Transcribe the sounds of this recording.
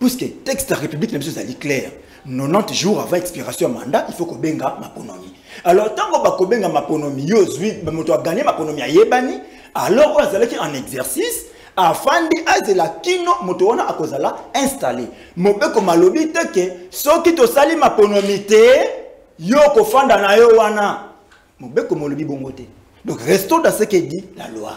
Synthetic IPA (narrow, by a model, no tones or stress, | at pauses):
pisketɛkstaʁepybliknbisoeza̰liklɛʁ | nonɑ̃tʒuʁa̰vãɛkspiʁasjɔ̃ama̰ndaʔifokobeŋɡama̰pono̰mi | alɔʁtãŋɡobakobeŋɡamaponomijozimotoaɡanemaponomiajebani | alɔʁoazalakiãnɛkzɛʁsis | afandiʔazelakinomotowanaʔakozalaɛ̃sta̰lḛ | mobekomalobitɛkesɔkitosalimaponomitɛ | jokofandanajowana | mobekomalobiboŋɡotɛ | dɔ̃kʁestodasekedila̰loa̰